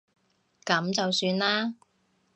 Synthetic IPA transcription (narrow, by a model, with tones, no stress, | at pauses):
kɐ˨˥mt͡sɐ˨wsyː˧nlaː˥